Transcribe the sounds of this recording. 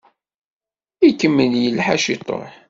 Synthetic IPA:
ikːəmːənjəlħaʃit̪ˤːo̰ħ

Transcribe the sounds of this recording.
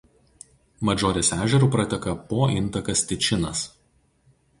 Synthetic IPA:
mɐd͡ʒoːɾʲeːsæːʒʲɛɾuːˑpɾɐt̪ʲɛkɐpoːʔɪnˑt̪ɐkɐsʲt̪ʲɪt͡ʃʲɪnɐs

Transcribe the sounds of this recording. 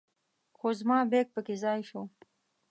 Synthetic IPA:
xozmɑːbeːk̚pəkezɑːjʃo

